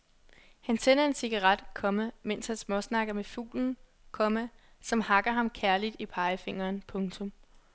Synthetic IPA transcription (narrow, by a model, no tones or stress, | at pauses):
hænsʰen̰ɐe̝nsiɡ̥ɑʁɑd̥kʰɒ̽mæmen̰shænsmɒsnɑ̈ɡ̥ɐmefṵːln̩ | kʰɒ̽mæ | sɒ̽mhɑ̈ɡ̥ɐɦɑ̈mkʰæɐlid̥ipʰɑ̈ɪəfe̝ŋ̰ɐːnpʰɔ̽ŋt͡sʰɔ̽m